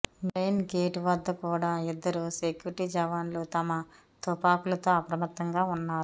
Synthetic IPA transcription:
mejnɡeːʈʋɐd̪ːɐkuːɽaːid̪ːɐɾusekjuɾʈid͡ʒɐʋaːnloːt̪ɐmɐ | t̪ɔpaːkulɐt̪o̞ːɐpɾɐmɐt̪ːɐŋɡaːunːaːɾu

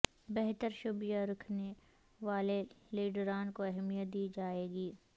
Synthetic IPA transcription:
bɛɦt̪əɾʃʊbijaɾɐkʰne | ʋaːleleːɖɾaːnkoɛɦmijət̪̚d̪iːd͡ʒaːeːɡiː

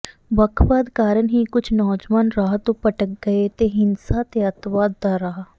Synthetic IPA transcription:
bəkʰʋaːd̪kaːɾənɦiːkʊt͡ʃʰnɔːd͡ʒʋaːnɾaɦt̪õːpəʈək̚ɡəeːt̪eːɦɪnsaːt̪eːət̪ʋaːd̪̚t̪aːɾaɦa

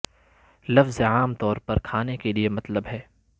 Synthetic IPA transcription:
lɐfzaːmt̪ɔːɾpɐɾkʰaːnekeliemɐt̪ləbɦɛː

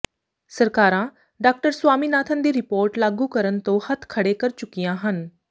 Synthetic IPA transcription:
səɾkaːɾãː | ɖaːk̚ʈəɾswaːmiːnaːt̪ʰənd̪iːɾɪpoːɾʈlaːɡuːkəɾənt̪õːhət̪ʰkʰəɽeːkəɾt͡ʃʊkːijãːɦən

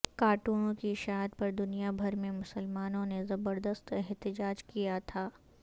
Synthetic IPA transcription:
kaːʈuːnõkiʃaːɦəd̪̚pɐɾd̪ʊnijabʱɐɾmẽmʊsəlmaːnõnezɐbəɾd̪əst̪ɛɦt̪ɪd͡ʒaːd͡ʒkijat̪ʰaː

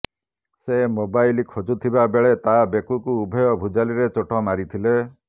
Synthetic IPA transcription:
semobajlikʰod͡ʒut̪ʰibabeɭet̪abekukuːbʱɔjɔbʱud͡ʒaliɾet͡ʃoʈʰɔmaɾit̪ʰile

